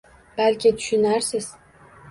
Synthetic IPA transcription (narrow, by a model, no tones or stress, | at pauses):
b̥ælʲkʲʰɪt̪ʰy̥ʃynæɾsɪz̥